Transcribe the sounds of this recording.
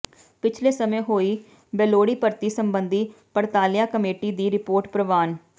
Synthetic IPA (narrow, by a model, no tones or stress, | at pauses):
pɪt͡ʃʰleːsəmẽːɦoːiː | bɛːloːɽiːpəɾt̪iːsəmbənd̪iːpəɽt̪aːlɪjãːkəmeːʈiːd̪iːɾɪpoːɾʈpɾəʋaːn